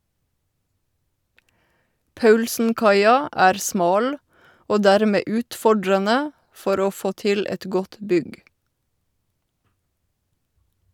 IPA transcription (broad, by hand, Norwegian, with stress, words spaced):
ˈpɑʉlsn̩ˌkɑɪɑ ˈæːɾ ˈsmɑːl ˈoː ˈdæːɾmeː ˈʉːtfɔɖɾənə ˈfɔɾ ˈoː ˈfoː ˈtɪl ˈɛt ˈɡɔt ˈbʏɡ